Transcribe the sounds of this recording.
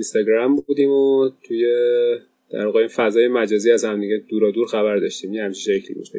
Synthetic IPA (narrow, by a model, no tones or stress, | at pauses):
inst̪ɒɡɾæmbuːd̪iːmot̪ʰuje | d̪̥æ̰ɾvɒːɣeinfæzɒːjemæd͡ʒɒːziːæzhæmd̪iɟed̪̥uːɾɒːd̪uːɾxæβæɾd̪ɒʃt̪iːmjinhæmt͡ʃʰiʃecʰlḭbṵʃ